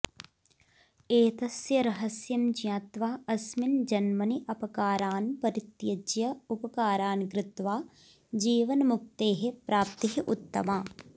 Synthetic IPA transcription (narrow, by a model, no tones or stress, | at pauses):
eːt̪ɐsjɐɾɐɦɐsjɐmd͡ʒjaːt̪ʋaːɐsmind͡ʒɐnmɐniʔɐpɐkaːɾaːnpɐɾit̪jɐd͡ʒjɐupɐkaːɾaːnɡɾɪt̪ʋaː | d͡ʒiːʋɐnmuk̚t̪eːɦepɾaːp̚t̪ɐɦeʔut̪ːɐmaː